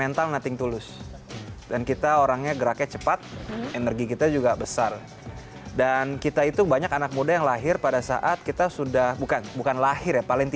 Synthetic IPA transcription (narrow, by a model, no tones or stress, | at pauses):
ent̪alnat̪ɪŋt̪ulʊs | dankit̪aoɾaŋɲaɡəɾakɲat͡ʃəpat̪̚enərɡikit̪ad͡ʒuɡabəsar | dankit̪ait̪ubaɲakanak̚mudajaŋlaɦɪrpadasa̰ʔat̪̚kit̪asudahbukanbukanlahɪrjapalɪŋt̪i